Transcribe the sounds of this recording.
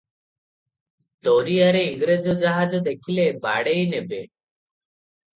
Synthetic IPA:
d̪oɾiaɾeiŋɡɾed͡ʒɔd͡ʒaɦad͡ʒɔd̪ekʰileba̰ɽejnebe

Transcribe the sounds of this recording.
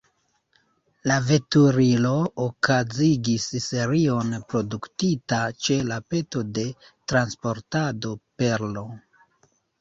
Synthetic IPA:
lave̞tuɾilo̞okaziɡisse̞ɾio̞npɾo̞duktitat͡ʃe̞lape̞to̞de̞ | tɾanspo̞ɾtado̞pe̞ɾlo̞

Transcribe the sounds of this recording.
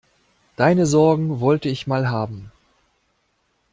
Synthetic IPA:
d̥aɪnəzɔɐɡŋ̩vɔltəɪçmaːlɦaːbm̩

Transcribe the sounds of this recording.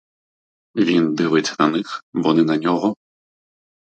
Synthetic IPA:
vʲind̪ɨʋɪt͡sʲɐnɐnɪxbɔnɛnɐnʲɔɦɔ

